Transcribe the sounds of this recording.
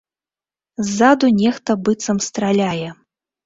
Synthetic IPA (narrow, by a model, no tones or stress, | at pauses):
zːad̪unʲɛxt̪ɐbɨt̪sɐmst̪ɾalʲajɛ